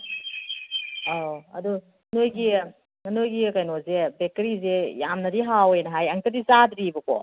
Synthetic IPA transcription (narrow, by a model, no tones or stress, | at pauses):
aɐ̰du | nojɡi | ŋɐnojɡikajnozebek̚teɾizejamnɐdiɦawejnɐɦajɐŋtɐdizadɾibɐko̰